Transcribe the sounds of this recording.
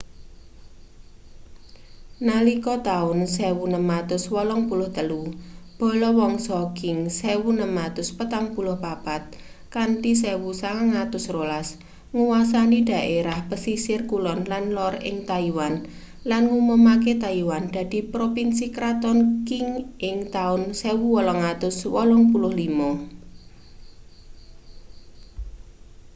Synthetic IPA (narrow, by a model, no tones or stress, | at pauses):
nalikɔt̪aʊnsɛwunəmat̪ʊswɔlɔŋpulʊht̪əlub̥ɔ̤lɔwɔŋsɔɡɪŋsɛwunəmat̪ʊspət̪aŋpulʊhpab̥at̪̚ | kaɳʈisɛwusaŋaŋat̪ʊsrolas | ŋuwasanid̪̥ä̤ʔeɾahpəsisɪrkulɔnlanlɔrɪ̰ŋt̪aiwan | lanŋuməmaket̪aiwand̪̥a̤d̪̥i̤pɾopinsikɾat̪ɔnkɪŋʔɪŋt̪aʊnsewuwɔlɔŋat̪ʊswɔlɔŋpulʊhlimɔ